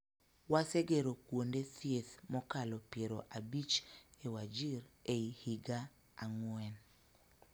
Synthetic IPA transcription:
waseɡeɾokwondet̪jeθmɔkalɔpjeɾoʔabit͡ʃewad͡ʒiɾeihiɡaː | ŋwɛn

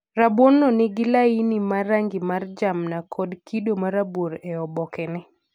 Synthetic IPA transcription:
ɾabwonːɔnɪɡɪlainimaraŋɡɪmard͡ʒamnakʰɔdkidomaɾaboɾɛɔbɔkɛnɛ

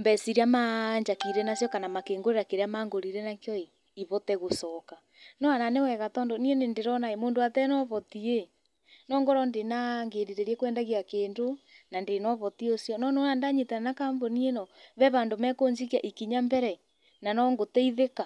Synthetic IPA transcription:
mbɛsiɾiamaɲd͡ʒakiɾɛnasjɔkanamakeːŋɡoɾeɾakeɾeamaːŋɡoɾiɾɛnakjɔe | iβɔtɛɣosɔka | nɔananewɛɣatɔːndɔnienendeɾɔnaemoːndoatɛnɔβɔtie | nɔŋɡoɾɔndenaŋɡeɾiɾeɾiɛkwɛːndaɣiakeːndonandenɔβɔtiosjɔnɔnonandaɲetananakambonienɔβɛβandomɛkoɲd͡ʒikiaʔikiɲambɛɾɛ | nanɔŋɡotɛiðeka

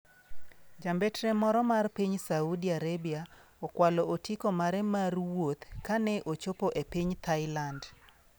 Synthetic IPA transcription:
d͡ʒambɛtɾɛmɔɾɔmarpiɲsaudiaɾebia | ɔkwalɔotikomaɾɛmarwot̪kanɛʔot͡ʃopoʔepiɲt̪aɪland

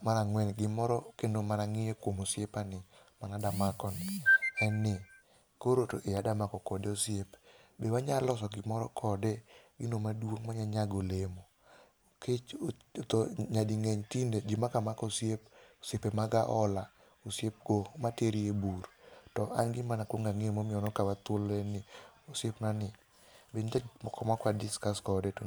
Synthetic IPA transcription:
manaŋwɛnɡɪmɔɾɔkendomanaŋɪjekwomosjepanɪmanadamakɔnɪɛnɪ | koɾotoʔejadamakɔkɔdeosjepbewaɲalɔsɔɡɪmɔɾɔ̰kʰɔdeɡɪnomadwoŋmaɲaɲaɡolemo | ket͡ʃt̪oɲadiŋɛɲtinded͡ʒɪmakamakosjep̚osepemaɡaʔɔla | osjep̚ɡomateɾieburtɔʔanɡɪmanakwoŋɡaŋemomɪɔnɔkawat̪olɛnɪosjepnanɪ | benamɔkɔmakwadɪskaskɔdeto

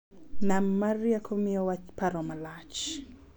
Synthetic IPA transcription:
nammaɾiakʰomiɔwat͡ʃpaɾɔmalat͡ʃ

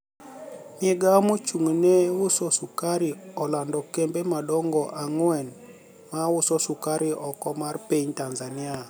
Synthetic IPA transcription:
mɪɛɡamot͡ʃuŋnewʊsɔsʊkaɾɪɔlandɔkɛmbemadɔŋɡɔʔaŋwɛn | mawʊsɔsʊkaɾɪʔɔkɔmarpiɲtanzanɪa

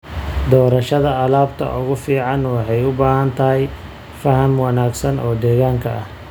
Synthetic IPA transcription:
d̪ɔːɾɐʃɐðɐːlaːbt̪ʰɐ̰ʔʊɣʊfiːʕɑnwɑħɑjʊbaːɦɐnt̪ʰɐɦɛj | fɐhɐmwɑnaːɡsɐnʔɔːd̪ɛːɣaːŋkʰɐʔɐh

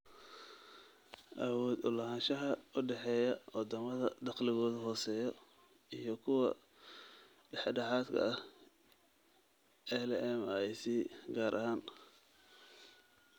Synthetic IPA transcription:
ʔɐwɔːd̪ʊlɐɦaːnʃɐɦɐʊɖɛħɛːjɐwɐd̪ɐmɐðɐd̪ɑqlɪɣɔːðʊɦɔːsɛːjɔ | ijɞkʰʊwɐ̰ | ɖɛħɖɑħaːd̪kʰɐ̰ɐ | ɛhlɛmjsiːɡaːɾʔɐ̰ɦaːn

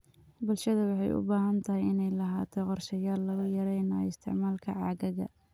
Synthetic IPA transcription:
bʊlʃɐðɐwɑħɑjʔʊ̰baːɦɐnt̪ʰɐɦɪjɪnɛjlɐɦaːt̪ʰɛqɔrʃɐjaːlːɐɣʊjɐɾɛjna̰ːɪ̰st̪ʰɪ̰ʕmaːlkʰɐ̰ʕɑːɣɐɣɐ̰

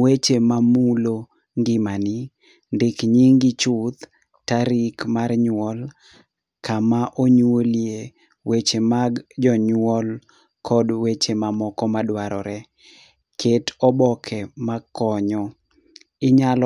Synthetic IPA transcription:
wet͡ʃemamulo | ŋɡɪmanɪ | ndɪkɲiŋɡɪt͡ʃʊt̪ | taɾikmarɲwɔl | kʰamaʔoɲwolje | wet͡ʃemaɡd͡ʒɔɲwɔl | kʰɔdwet͡ʃemamɔkɔmadwaɾɔ̰ɾɛ | kʰetɔbɔkʰɛmakɔɲɔ | ɪɲal

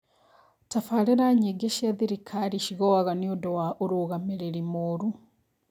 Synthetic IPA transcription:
tafaleɾaɲiɡeʃiaðiɾikʰaɾiʃiɣowaɣaniodowaʔoɾoɣameɾeɾimoɾu

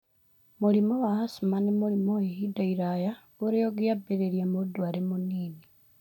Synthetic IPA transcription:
mulimowahasumanemulimoehidaiɾaja | uɾejoɡijabeɾeɾjamud̪waːɾemuniːni

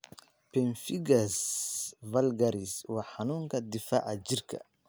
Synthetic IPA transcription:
pɛnfɪɡɐs | vɐlɡɐɾiswɑːħɑnuːŋkʰɐd̪ɪfa̰ːʕɑt͡ʃɪrkʰɐ̰

